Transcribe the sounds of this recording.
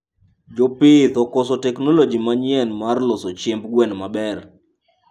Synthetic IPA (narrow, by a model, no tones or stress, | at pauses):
d͡ʒopɪt̪ɔkɔsɔtɛknolod͡ʒimaɲɪɛnmarlɔsot͡ʃembɡwɛnmabɛr